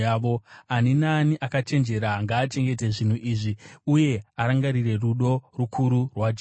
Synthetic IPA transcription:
aʋo̞aninaniʔakat͡ʃe̞nd͡ʒe̞ɾaŋɡaːt͡ʃe̞ŋɡe̞te̞ʐin̤uʔiːʐiuje̞aɾaŋɡaɾire̞ruɗo̞rukʰuɾurwad͡ʒ

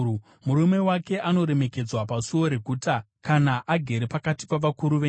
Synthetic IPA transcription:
muɾume̞wake̞ʔano̞ɾe̞me̞ke̞d͡zwapasuo̞ɾe̞ɡʱuːta | kanaʔaɡʱe̞ɾepakati̥paʋakuɾuʋe

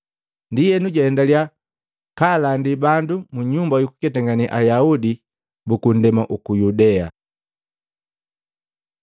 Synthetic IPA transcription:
ndijɛnuɟwaɛndalja | kalandibandumuɲumbajuku̥kɛtaŋɡaniʔajaudi | bukun̩dɛmaʔukujudɛa̰

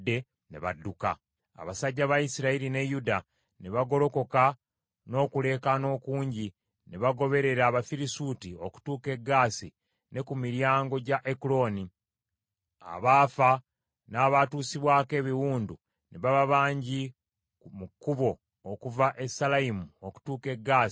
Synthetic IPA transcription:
dːe̞ | neβadːuka̰ | a̰βasaɟːaβajisiɾaiɾine̞juda | ne̞βaɡo̞lo̞ko̞ka | no̞ːkule̞ːkano̞ːkuːɲɟi | neβaɡo̞βe̞ɾe̞ɾaːβafiɾisuːtio̞ku̥tuːke̞ɡaːsi | ne̞kumiɾjaːŋɡo̞ɟaʔekulo̞ni | a̰βaːfa | naːβatuːsiβwaːke̞ːβiwuːndu | neβaβaβaːɲɟi | mukːuβo̞ː | kuvaʔe̞salaimuoku̥tuːke̞ɡːaːsi̥

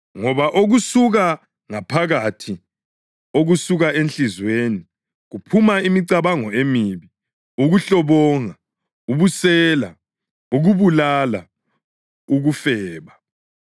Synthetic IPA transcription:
ŋɔβaʔoɣusuɣa | ŋapʰaɣatʰi | oɣusuɣaʔenɬizweni | ɣupʰumaimiǀaβaŋɔemiβi | uɣuɬɔβɔːŋa | uβusɛːla̰ | uɣuβulala̰ | uɣufɛːβa

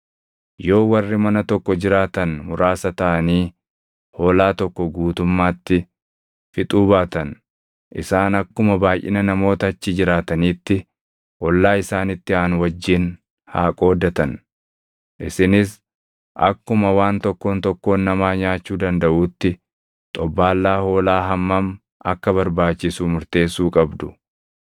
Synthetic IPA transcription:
jo̞ːwɐrːɪmɐnɐt̪ɔkːɔd͡ʒɪɾaːt̪ɐnmʊɾaːsɐt̪ɐʔɐniː | ho̞ːlaːt̪ɔkːɔɡuːt̪ʊmːaːt̪ːɪ | fɪt̪ʼuːbaːt̪ɐn | ʔɪ̰saːnɐkːʊmɐbaːjʔɪ̰nɐnɐmo̞ːt̪ɐːt͡ʃːɪd͡ʒɪɾaːt̪ɐniːt̪ːɪ | ʔɔlːaːɪsaːnɪt̪ːɪaːnwɐd͡ʒːɪn | ha̰ːkʼo̞ːd̪ɐt̪ɐn | ʔɪsɪnɪs | ʔɐ̰kːʊmɐwaːnt̪ɔkːo̞ːnt̪ɔkːo̞ːnːɐmaːɲaːt͡ʃːuːd̪ɐnd̪ɐʔuːt̪ːɪ | t̪ʼɔbːaːlːaːho̞ːlaːɦɐmːɐm | ɐkːɐβɐɾbaːt͡ʃːɪsuːmʊɾt̪e̞ːsːuːkʼɐbd̪ʊ

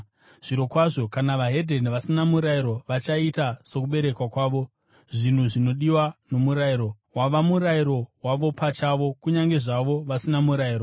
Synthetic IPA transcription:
ʐ̥iɾo̞kwaʐo̞kanaʋaɦe̞dʱe̞nʋasinamuɾaiɾo̞ʋat͡ʃaitaso̞k̬uɓe̞ɾe̞kwakwaːʋo̞ | ʐin̤uʐino̞ɗiwano̞muɾaiɾo̞ | waʋamuɾaiɾo̞waʋo̞pat͡ʃaʋo̞kuɲaŋɡe̞ʐaʋo̞ʋasinamuɾaiːɾo

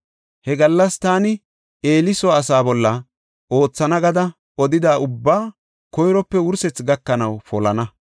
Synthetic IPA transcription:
hɛɡɐlːɐst̪aːnɪ | e̞ːlɪsɔːsaːbɔlːɐ | ʔo̞ːt͡sːɐnɐɡɐd̪ɐ | ɔd̪ɪd̪aːʔʊbːaː | kɔjɾɔpːɛwʊɾsɛt͡sɡɐkːɐnɐwfɔlɐnɐ

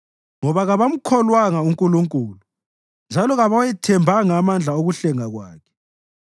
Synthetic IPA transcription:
ŋɔβaɣaβam̩kʰɔlwaŋauŋkʼuluŋkʼuːlu | nd͡ʒʱalɔɣaβajɛtʰɛmbʱaŋːmand͡ɮʱaoɣuɬɛŋaɣwa̰ːkʰɛ̥

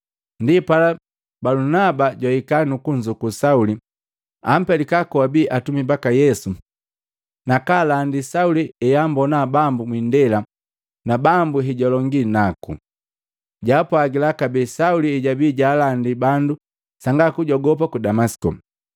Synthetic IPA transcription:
ndipala | balunabaɟwaikanukuɲd͡ʒukusauli | am̩pɛlikakɔwabiːʔatumibakajɛsu | nakalandisauliɛjambɔnabambumwindɛla | nabambuɦɛɟɔlɔŋɡinakṵ | ɟapɔaɡilakabɛːsauliɛɟabiːɟaːlandibandu | saŋɡakuɟɔɡɔpakudamasi̥kɔ̰

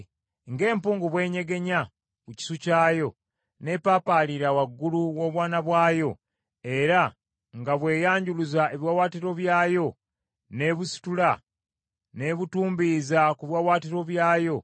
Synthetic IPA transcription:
ŋɡe̞ːmpuːŋɡuβwe̞ːɲe̞ɡe̞ɲa | kuci̥sucaːjo̞ | ne̞paːpaːliɾawaɡːuluwo̞ːβwaːnaβwaːjo̞ | e̞ɾa | ŋɡaβwe̞ːjaːɲɟuluzae̞βjwawaːtiɾo̞βjaːjo̞ | ne̞βusi̥tula | ne̞βutuːmbizakuβjwawaːtiɾo̞βjaːjo̞

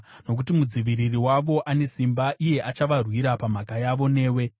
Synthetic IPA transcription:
no̞k̬utimud͡ziʋiririwaʋo̞ʔane̞simbaʔije̞ʔat͡ʃaʋarwiɾapam̤akajaʋo̞ne̞ːwe̞

